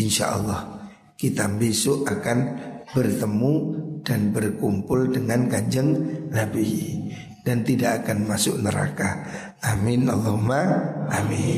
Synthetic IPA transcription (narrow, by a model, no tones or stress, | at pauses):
ɪnʃa̰ʔə̰lːɑh | kit̪ambesʊʔakanbərt̪əmud̥anbərkumpʊldəŋankaɲd͡ʒəŋnabi | d̥ant̪idaʔakanmasʊk̚nəɾa̰ka | ʔamɪnɑlːɔhɦumaʔami